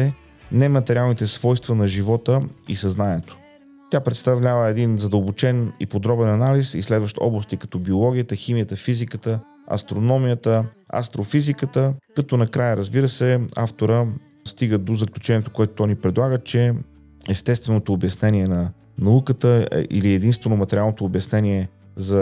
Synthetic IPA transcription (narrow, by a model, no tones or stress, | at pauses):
ɛ | nɛmɐt̪ɛɾʲialˠnit̪ɛsv̥ɔjst̪vənɐʒivɔt̪əḭsɐznaniɛt̪o̥ | t̪ʲjapɾɛt̪st̪ɐvlʲavəɛd̪inzɐd̪əlˠbot͡ʃɛnḭpod̪ɾɔbɛnɐnalisislɛd̪vəʃt̪ɔ̰blˠəst̪ikɐ̥t̪ɔbiolˠɔɡ̟ijət̪əximijət̪əfizikət̪ə | ɐ̰st̪ɾonɔmijət̪ə | ɐ̰st̪ɾofizikət̪əkɐt̪ɔnɐkɾajəɾəzbiɾəsɛa̰ft̪oɾə | st̪iɡəd̪ozəklʲut͡ʃɛniɛt̪o̥koɛt̪ot̪ɔnipɾɛd̪lˠaɡət͡ʃɛ | ɛst̪ɛst̪vɛnot̪oːbjɐsnɛniɛnɐ | nɐukət̪əɛ̰ʔḭliɛd̪inst̪vɛnomɐt̪ɛɾʲialˠnot̪oːbjɐsnɛniɛ | zɐ